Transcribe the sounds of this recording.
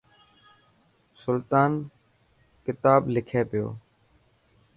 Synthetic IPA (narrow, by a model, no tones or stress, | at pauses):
sʊlt̪aːn | kɪt̪aːblɪkʰeːpɪjo̰ː